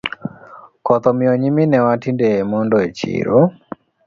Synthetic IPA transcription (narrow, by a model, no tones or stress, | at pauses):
kɔt̪ɔmiɔɲiminɛwatindɛːmɔndɔet͡ʃḭɾɔ